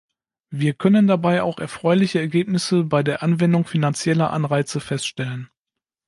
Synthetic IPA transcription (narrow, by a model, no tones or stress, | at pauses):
viːɐkʰœnəndabaɪa̰ʊxɛɐfʁ̥ɔʏlɪçəɛɐɡeːp̚nɪsəbaɪdeːɐʔanvɛndʊŋfinant͡sjɛlɐʔa̰nʁaɪt͡səfɛstʃtɛlən